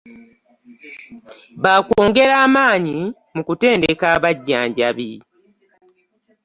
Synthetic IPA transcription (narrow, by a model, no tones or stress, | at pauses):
βakoːŋɡe̞ɾaːmaːɲi | mukute̞ːnde̞kaːβaɟːaːɲɟa̰βi